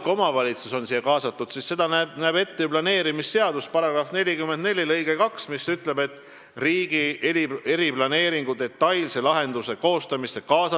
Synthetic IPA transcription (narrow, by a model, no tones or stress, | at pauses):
ko̞mɑvɑlʲit̪suso̞nsijːeɑkɑːsɑt̪ːˑud̪̥sisse̞d̪ɑnænæːbe̞t̪ːeblɑne̞ːɾimisse̞ɑd̪̥uspɑɾɑɡ̥rɑfne̞lʲikymːend̪ne̞lʲilɤjɡ̥ekɑksmisyt̪le̞be̞t̪ːˑ | riːɡ̥iee̞ɾiplɑne̞ːɾiŋɡ̥ud̪e̞t̪ːɑjlse̞lɑɦe̞nd̪̥use̞ko̞ːst̪ɑmisekɑːsɑ